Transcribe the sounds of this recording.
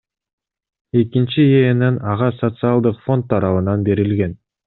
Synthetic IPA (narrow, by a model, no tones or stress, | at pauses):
e̞kint͡ʃieːnenɑʁɑsot̪sɨalˠd̪ɯqfo̞nt̪ʰːɑɾɑβɯnɑnbe̞ɾilɡe̞n